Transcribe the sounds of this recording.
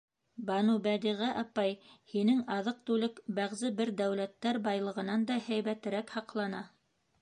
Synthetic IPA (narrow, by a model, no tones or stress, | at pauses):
bɑnubæd̪iʁæʔɑpɑjhinɘŋɑðɤq̚t̪ʉlɘkbæʁzɘbɘɾd̪æwlæt̪ːæɾbɑjlˠɤ̆ʁɤ̆nɑnd̪ɑhæjβæt̪ɘ̆ɾækhɑqlˠɑnɑ